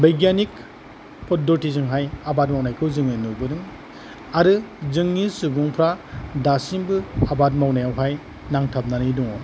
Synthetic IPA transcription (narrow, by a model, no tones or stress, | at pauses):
bajɡanik | pʰɔdɔɾtizɯŋɦajabat̚mawnajkʰɯwzɯŋɯnubɯnɯŋ | aɾɯzɯŋnisubuŋpʰɾadasinbɯabat̚mawnajawɦaj | naŋtʰap̚naniduŋɔ